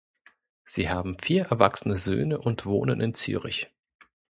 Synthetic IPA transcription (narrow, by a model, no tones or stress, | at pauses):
z̥iːhaːbm̩fiːɐʔɛɐvaksənəzø̰ːnəʔʊntv̥oːnənʔɪnt͡sy̰ːʁɪ̰ç